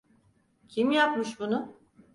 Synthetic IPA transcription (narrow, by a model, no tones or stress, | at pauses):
cʰimjap̚mɯʃbunʊ